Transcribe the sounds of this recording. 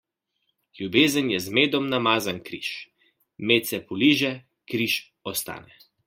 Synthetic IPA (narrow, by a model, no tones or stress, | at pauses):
ljubeːzənjɛzmeːd̪ɔmnamaːzankɾḭːʃ | meːt̪sɛpɔliːʒɛ | kɾiʃ | ɔst̪a̰ːnɛ